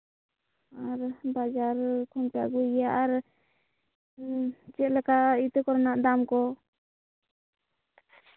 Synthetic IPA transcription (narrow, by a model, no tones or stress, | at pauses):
aɾbad͡ʒaɾkʰɔnpia̰ʔɡujaʔaɾ | t͡ʃɛʔlɛkait̪ɛkɔɾɔnaʔd̪amkɔ